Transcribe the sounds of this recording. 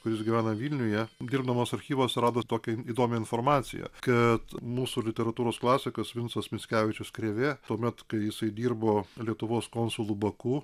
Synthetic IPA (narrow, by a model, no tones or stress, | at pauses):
kʊɾʲɪsɡʲɪʋʲæːnɐʋʲiːlʲnʲʊjɛd̪ʲiːɾbd̪ɐmoːsɐɾʲxʲiːʋosɾɑːd̪oːt̪oːkʲɛiːd̪oːmʲɛɪnfoɾmɑːt̪sʲɪ̰jɛ̰kɐt̪muːsulʲɪt̪ʲɛɾɐt̪uːɾoːsklˠɑːsʲɪkɐsʋʲɪnsɐsmʲɪsʲkʲæːʋʲɪt͡ʃʲʊskɾʲeːʋʲeːt̪uɔmʲɛt̪kɐɪjɪsɐɪd̪ʲiːrboːlʲiɛt̪ʊʋoːskoːnsʊlˠuːbɐkuː